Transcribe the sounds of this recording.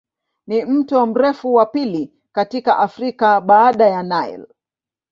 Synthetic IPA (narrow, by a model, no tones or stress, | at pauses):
nim̩tɔm̩ɾɛfuwapili | katikaʔafɾikaɓaːɗajanaḭl